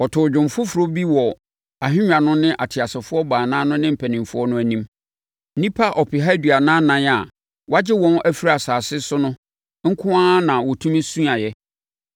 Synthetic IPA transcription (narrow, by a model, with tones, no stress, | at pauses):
ɔ˨tʰʊ˨d͡ʑᶣɪ̃˨mfʊ˦fʊ˨ɾo˦bi˦wɔ˨ | a˨ɦɪ̃˦ɲᶣ˦ã˨nʊ̃˦nɪ̃˦ʔa˨tʰɪ˨a˨sɪ˨fʊ˦ɔ˦baː˨nãː˦nʊ̃˦nɪ̃˦m̩˨pʰæ˨nɪ̃˨fʊ˦ɔ˦nʊ̃˦æ˦nĩ˦m̩˦ | nĩ˦pʰa˦ʔɔ˨pʰɪ˨ɦa˦dɥa˨nãː˦nã˦n˦a˨ | wa˦d͡ʑɪ˦wɔ̃˦næ˦fi˦ɾi˨a˨saː˨sɪ˦sʊ˦nʊ̃˦ | ŋ̩˦kʰʊ̃˦ãː˦nã˨wɔ˨tʰũ˦m˦sũ˦a˨jɛ˦